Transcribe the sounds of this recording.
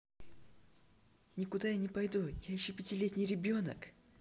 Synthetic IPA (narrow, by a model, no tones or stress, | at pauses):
nʲɪkʊd̪ajanʲɪpɐjd̪ujajɪɕːopʲɪtʲɪlʲetʲnʲɪjɾʲɪbʲo̞nə̰k